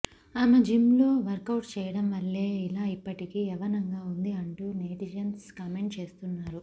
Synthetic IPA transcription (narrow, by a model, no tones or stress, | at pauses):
amɐd͡ʒimloːʋɐɾkɐwʈt͡ʃɛːjɐɽɐmʋɐlːeːilaːipːɐʈikiɛʋɐnɐŋɡaːund̪iɐɳʈuːneːʈid͡ʒɐnskɐme̞ɳʈt͡ʃe̞ːst̪unːaːɾu